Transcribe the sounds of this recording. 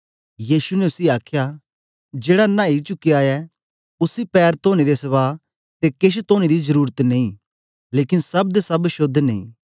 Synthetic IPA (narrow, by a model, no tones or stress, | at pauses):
jiːsunɛʊsiaːkʰja | d͡ʒeːɽanãːit͡ʃʊkːiaːɛ | ʊsipɛːɾt̪oːɽ̃id̪esɐβaː | t̪ekɪʃ̬t̪oːɽ̃id̪izɐɾuːɾət̪nẽĩː | leːkɪnsɐb̚d̪esɐbʃʊd̪ʱːnẽḭ̃ː